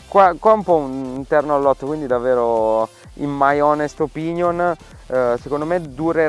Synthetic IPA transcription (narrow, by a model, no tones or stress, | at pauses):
kwakwaumpɔunint̪ɛrnoalːɔt̪ːokwind̪id̪avːeːɾo | ḭmmajɔnest̪opinjon | sekond̪omed̪uɾe